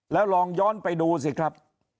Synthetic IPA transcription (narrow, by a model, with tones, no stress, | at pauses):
lɛː˦˥wlɔː˧ŋjɔː˦˥˩npa˧jduː˧s̬i˨˦˩kʰɾa˦˥p̚